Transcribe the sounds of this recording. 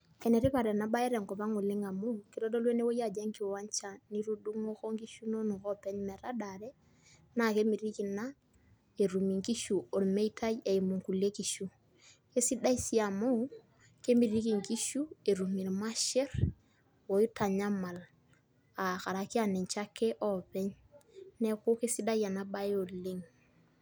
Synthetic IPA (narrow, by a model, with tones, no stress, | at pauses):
ɛ˨nɛ˨ɾi˦pa˨ɾɛ˨na˦ba˦ɛ˦ɾɛ˨ŋkɔ˨pa˦ŋu˨lɪ˦ŋa˨mu˦ki˦dɔ˦do˦lwe˦ne˦wo˦ja˨d͡ʒɛ˦ŋki˨wa˦ɲt͡ʃa˦ni˦ɾu˦du˦ŋo˦xo˦ŋki˦ʃu˦no˦nu˨kɔ˦pɛ˦ɲmɛ˨ɾa˦da˨ɾɛ˦ | na˦ke˦mi˨ɾi˦ki˨na˦ | e˨ɾu˨mi˨ŋki˦ʃu˨o˨lme˦i˦tʰa˦je˨i˨mu˨ŋku˨le˦ki˨ʃu˦ | ke˦si˦da˦i˦si˨a˨mo˦ | ke˦mi˨ɾi˦ki˨ŋki˦ʃu˦e˨ɾu˨mi˨ɾma˦ʃɛ˦r | wo˨i˦ta˨ɲa˦ma˨l | a˨ka˨ɾa˨ki˦a˨ne˨ɲt͡ʃa˦ke˦ʔɔ˦pɛ˦ɲ | nɛ˨ku˦ke˦si˦da˦ja˨na˦ba˦jo˨le˦ŋ